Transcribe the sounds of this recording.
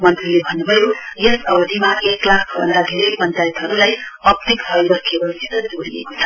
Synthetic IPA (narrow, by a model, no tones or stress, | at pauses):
mʌnt̪rilebʱʌnubʱʌjojesʌɡʌd̪ʱimaʔeklakʰbʱʌ̰nd̪aɡʱeɾipʌnt͡sajt̪ɦʌɾulajʌp̚t̪iksʌjbʌkʰebʌsit̪ʌd͡zoɽiḛkot͡sʰʌ